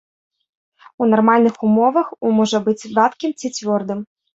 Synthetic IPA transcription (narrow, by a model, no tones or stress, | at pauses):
unɐrmalʲnɨxumɔʋɐxumɔʐɐbɨt͡sʲvɑt̪kʲɪmt͡sʲit͡sʲʋʲɔrd̪ɨm